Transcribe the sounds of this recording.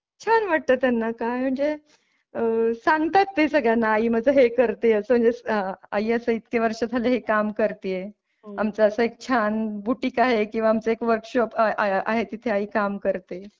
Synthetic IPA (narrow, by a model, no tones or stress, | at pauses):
t͡ɕʰanʋaʈ̚t̪ət̪janːakam̤əɳd͡ze | sãŋɡt̪at̪ːesəɡɭjanaːim̤əd͡zəɦekəɾt̪eəsəməɳd͡zea̰iːəsəːit̪keʋəɾʂəd͡z̪ʱaleɦekamkəɾt̪ije | amt͡səəsəek̚t͡ɕʰanbuʈiːkaɦekĩw̃ʋaːmt͡səekʋəɾkɕɔpa̰ɦet̪it̪ʰeaiːkamkəɾt̪e